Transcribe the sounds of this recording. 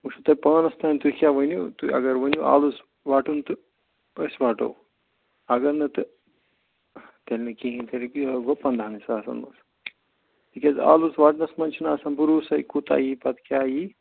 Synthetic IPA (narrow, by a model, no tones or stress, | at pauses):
muʃut̪ɐjpɐːnɐst̪aːnʲt̪ukʲjaːʋɐnjot̪uɐ̰ɡɐɾʋɐnjoʔa̰ːlus | ʋaːʈunt̪ɨ | pɐsʋaːʈo̰w | ɐɡɐɾnɨt̪ɨ | t̪ɐlʲnɨkiɦĩnt̪ɐɾiʋɐpɐnd̪ʱaːnisaːsɐ̰nmɐ̰s | bikʲɐza̰ːluzʋaːʈnɐsmɐnt͡ʃʰinaːsɐnbuɾuːsɐjkut̪a̰jipɐt̪kʲjaːji